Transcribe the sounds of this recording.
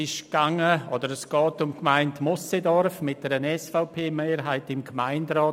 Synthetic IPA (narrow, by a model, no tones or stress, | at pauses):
ɪʃɡ̥aŋəɔdəɾəsɡ̥ɔːtʊmkmaɪntmɔsedɔɾfmɪt̚d̥ɛɾənɛsfaʊpʰeːmeːɾɦaɪtɪmkmaɪndɾɔː